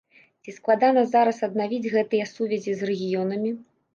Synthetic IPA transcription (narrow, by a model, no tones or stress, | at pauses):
t͡sʲisklˠad̪anɐzaɾɐsɐd̪̚navʲid͡zʲɣɛt̪ɨjɛsuvʲɛzʲizrɛɣʲijɔnɐmʲi